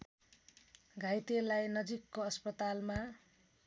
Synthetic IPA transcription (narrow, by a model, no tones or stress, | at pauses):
ɡʱajt̪elajnʌd͡zikːoʌspʌt̪alma